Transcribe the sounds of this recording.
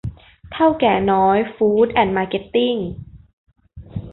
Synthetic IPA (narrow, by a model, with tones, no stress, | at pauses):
t̪ʰa˥˩wkɛː˨˩nɔː˦˥jfuː˦˥t̪̚ʔɛ˨˩nmaː˧ke˦˥t̪ːi˥˩ŋ